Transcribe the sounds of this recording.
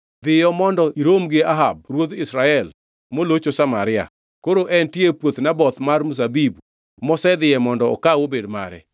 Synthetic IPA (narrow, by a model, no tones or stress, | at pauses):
d̪ɪjɔmɔndɔʔiɾomɡɪaɦab̚rwod̪ɪsɾaɛl | molot͡ʃosamaɾɪa̰ | koɾoʔɛntjepwot̪nabɔt̪marmus̬abibu | mɔsɛd̪ɪjɛmɔndɔɔ̰kawobedma̰ɾɛ̰